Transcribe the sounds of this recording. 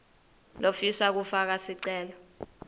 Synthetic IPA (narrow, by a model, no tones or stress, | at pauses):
lofisak̬ufak̬asiǀɛːlɔ